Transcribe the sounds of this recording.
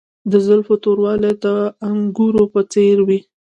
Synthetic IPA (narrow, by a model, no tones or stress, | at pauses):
d̪əzʊlfot̪oɾwɑled̪əaŋɡuɾopət͡seɾwi